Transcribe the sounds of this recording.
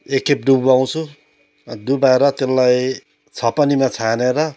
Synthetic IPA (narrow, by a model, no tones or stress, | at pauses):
ekːep̚ɖubaw̃t͡sʰu | d̪ubaeɾʌt̪elːaj | t͡sʰʌpʌnimat͡sʰaneɾʌ